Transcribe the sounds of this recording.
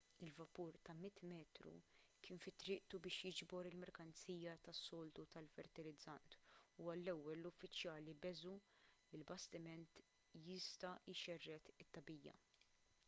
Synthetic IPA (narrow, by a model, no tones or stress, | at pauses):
ɪlvɐpuːɾt̪ɐmɪt̪ːmɛːt̪ɾṵkʰɪːnfɪt̪ːɾɪːʔt̪ubɪːʃjɪd͡ʒbɔɾɪlmɛɾkɐnt͡siːjɐt̪ɐsːɔːlt̪ut̪ɐlfɛɾt̪ɪlɪd͡zːɐnt̪uɐlːɛwːɛlːʊfːɪt͡ʃjɐːlibɛzu | ɪlbɐst̪ɪmɛnt̪ | jɪst̪ɐɪʃɛrːɛt̪ɪt̪ːɐbiːjɐ̰